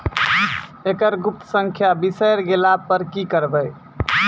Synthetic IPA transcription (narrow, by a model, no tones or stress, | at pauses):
ekəɾɡup̚t̪əsə̃ŋkʰjabisəjɾɡelapəɾkikəɾbəj